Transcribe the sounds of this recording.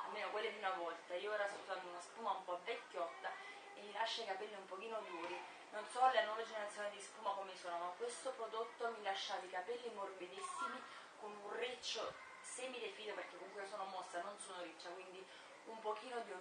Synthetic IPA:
a̰lmːeːnokwelːed̪iunavɔlt̪aiːoɛːɾasut̪aːt̪oiunaspuːmaumpɔvɛkːjɔt̪ːa | emːilaʃːaikapɛlːiumpok̟iːnod̪uːɾi | nonsɔalːenwɔːved͡ʒeneɾat̪sjonid̪ispuːmakomesoːnomakwest̪opɾod̪ot̪ːomilaʃːat̪ikapɛlːimorbid̪isːimi | konunret͡ʃːo | seːmilefiːd̪operk̟ekːoŋkuiosoːnomosːanonsoːnoɾit͡ʃːakwind̪i | umpokiːnod̪u

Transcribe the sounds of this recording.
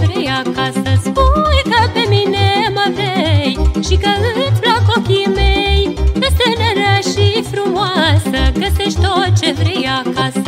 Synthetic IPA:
vɾejakasəspujkəpe̞mineməvɾejʃikəɨnblakokʲimejəst̪enəɾəʃifɾumoasəɡəseʃt̪ot͡ʃe̞vɾejakasə

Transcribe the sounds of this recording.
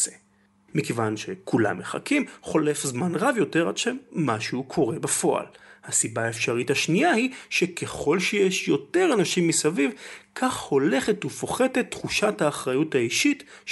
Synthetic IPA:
e | mikevanʃe̞kʰula̰mːeχa̰kimχo̞le̞fzmanʁavjo̞te̞ʁadʃemːaʃeukʰo̞ʁe̞bafo̞ʔa̰lhasibaːefʃaʁithaʃniahiʃe̞kʰeχo̞lʃejeʃjo̞te̞ʁanaʃimːisavivkʰaχho̞le̞χetufo̞χe̞te̞t̪ːχuʃathaːχʁajutaiʃit

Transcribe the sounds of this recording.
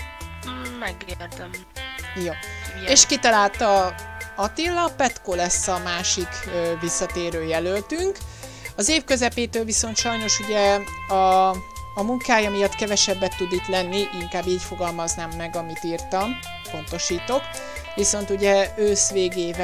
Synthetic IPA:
mɛɡelt̪ɛm | joːeːʃkit̪ɒlaːlt̪ɒɒt̪ilːɒpɛt̪kolɛsːɒmaːʃikːvisːɒt̪eːɾøːjɛlølt̪yŋk | ɒzeːfkø̞zɛpeːt̪øːlviso̞nt̪ʃɒjno̞ʃuɟɛɒː | muŋkaːjɒmijɒt̪kɛvɛʃɛbːɛt̪ːud̪it̪lɛnːiʔiŋkaːbːiːcfo̞ɡɒlmɒznaːmːɛɡɒmit̪iːrt̪ɒm | po̞n̪t̪o̞ʃiːt̪o̞k | ʋiso̞nt̪uɟɛøːsʋeːɡeːvɛ

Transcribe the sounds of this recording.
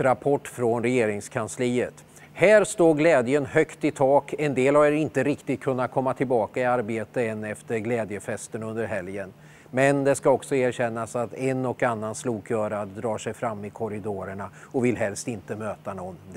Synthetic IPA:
ɾapʰɔʈːfɾɔnɾɛjeːɾɪŋskʰansliːət̪ | hæːɾst̪oːɡlɛːd̪jənhœkt̪ɪt̪ʰɑːkɛnd̪eːlhaɾɛɾɪnt̪əɾɪkt̪ɪt̪̚kʰɵnːat̪̚kʰɔmːat̪ʰɪlbɑːkaɪaɾbeːt̪əɛnːɛft̪əɾɡlɛːd̪jəfɛst̪ənɵnd̪əɾɦɛljən | mɛnd̪ɛskaɔksɔæːɾɕɛnːasat̪ɛnɔkanːansluːkʰjœːɾad̪ɾɑːʂɛjfɾamːɪkʰɔɾɪd̪oːɾəɳaɔvɪlɦɛlst̪ɪnt̪əmøːt̪anɔnː

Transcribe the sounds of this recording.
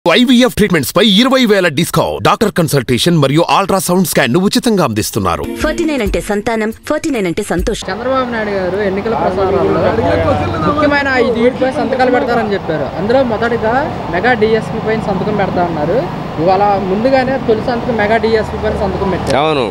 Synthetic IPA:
ɐjʋiep̚ʰʈɾiːʈmeɳʈspɐjiɾɐʋɐjʋɛːlɐɖisko̰ːɖaːk̚ʈɐɾkɐnsɐlʈeːʂɐnmɐɾijuʔaːlʈɾaːsɐwuɳɖskaːnːuʋut͡ʃːit̪ɐŋɡaːɐnd̪ist̪unːa̰ːɾṵpʰɐɾʈiːnɐjnɐɳʈe̞ːsɐnt̪aːnɐmpʰɐɾʈiːnɐjnɐɳʈeːsɐnt̪oːʃɐt͡ʃɛnd̪ɾɐbaːbunaːjɽɡaːɾue̞nːikɐlɐpɾɐsaːɐlːo | mukjɐmɐjnɐɐjid̪uiːʈipɐːjsɐnt̪ɐkaːlɐpɛɽɐt̪aːɾɐnit͡ʃepːaːɾuʔɐnd̪ulo̞ːmɔd̪ɐʈiɡ̪aː | mɛɡaːɖiːespiːpɐjnisɐnd̪ukɐmpɛɽɐt̪aːɐnːaːɾu | iʋaːɭɐmund̪uɡaːne̞ːt̪olisiɐnd̪ukɐmɛɡaːɖiːespiːp̬ɐːjnisɐnd̪ukɐmpɛʈːɐanṵ

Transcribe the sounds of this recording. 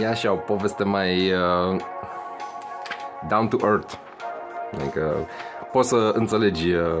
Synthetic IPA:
jeaʃaopo̞ve̞st̪emajə | d̪awnt̪uʔəɾt̪ | a̰ikə | po̞t̪səɨnt̪se̞le̞d͡ʒʲ

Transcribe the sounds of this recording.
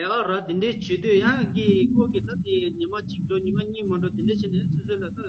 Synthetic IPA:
jaʔaɾat̪eɳɖ͡ʐet͡ɕøt̪øjaŋkikokit̪at̪iɲimat͡ɕiʈ͡ʂoɲimaɲiːmaɳɖ͡ʐot̪eɳɖ͡ʐet͡ɕʰend̪esʰosʰølat̪a

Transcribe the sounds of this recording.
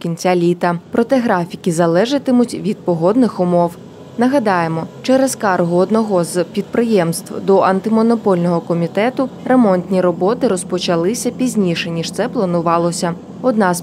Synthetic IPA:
kʲinʲt͡sʲalʲit̪ɐpɾɔt̪ɛɦɾɑfʲikʲizɐlˠɛʒɪt̪ɪmʊtʲʋʲid̪̚pɔɦɔd̪nɪxʊmɔw | nɐɦɐd̪ɑjemɔt͡ʃɛɾezkɑrɦʊɔd̪nɔɦɔzpʲid̪̚pɾɪjɛmst̪ʋd̪ɔʔɐnt̪ɪmɔnɔpɔlʲnɔɦɔkɔmʲit̪ɛt̪ʊremɔnʲt̪ʲnʲiɾɔbɔt̪ɪɾɔspɔt͡ʃɐlˠɪsʲɐpʲizʲnʲiʃɛnʲiʃt̪sɛplˠɐnʊʋɑlˠɔsʲɐ | ɔd̪nɑz

